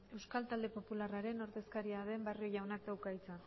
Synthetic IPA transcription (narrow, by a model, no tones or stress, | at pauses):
e̞wskalt̪ald̪e̞po̞pularaɾe̞no̞ɾðe̞skaɾiaðe̞mbario̞ʝawnakt̪awkajt͡san